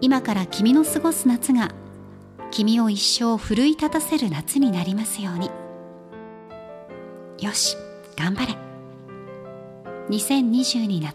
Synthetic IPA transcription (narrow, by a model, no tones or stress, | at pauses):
imakaɾakʲimʲino̞sɨɡo̞sɨnat͡sɨɡa | kʲimʲio̞iɕːo̞ːɸɯ̟ɾɯ̟it̪at̪ase̞ɾɯ̟nat͡sɨɲ̟inaɾʲimasɨjo̞ːɲ̟i | jo̞ɕi̥ | ɡ̥ãmbaɾe̞ | ɲ̟isẽ̞ɲ̟ːiʑɨːɲ̟inḁ